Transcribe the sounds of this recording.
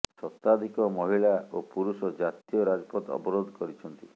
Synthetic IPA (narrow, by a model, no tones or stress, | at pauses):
sɔt̪ːad̪ʱikɔmɔɦiɭaopuɾusɔd͡ʒat̪iɔɾad͡ʒɔpɔt̪ɔ̰bɔɾod̪ʱɔkɔɾit͡ʃʰɔnt̪i